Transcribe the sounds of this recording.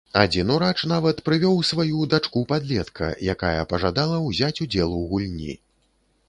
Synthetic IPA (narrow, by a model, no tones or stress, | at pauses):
ad͡zʲinuɾat͡ʂn̪avɐt̪pɾɨvʲɔwsvajud̪at͡ʂkupad̪lʲɛt̪kʰɐ̰jakajɐ̰pɐʐad̪alˠɐwzʲat͡sʲud͡zʲɛlˠuwɣulʲnʲḭ